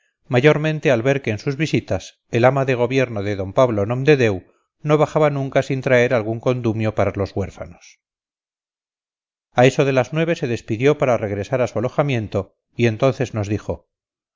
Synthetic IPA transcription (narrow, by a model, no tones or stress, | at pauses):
maʝo̞ɾmẽ̞nt̪e̞alβe̞ɾke̞ːnsuzβisit̪as | e̞lamaðe̞ɣ̞o̞βje̞ɾnoðe̞ðo̞mpaβlonõ̞md̪e̞ðe̞w | no̞β̞aχaβanũŋkasint̪ɾae̞ɾalɣuŋko̞nd̪umjo̞paɾalo̞zɣwe̞ɾfa̰nos | ae̞so̞ðe̞laznwe̞β̞e̞se̞ðe̞spiðjo̞paɾare̞ɣɾe̞saɾasualo̞xamje̞nt̪o̞ | ie̞nt̪o̞nθe̞zno̞zðixo̞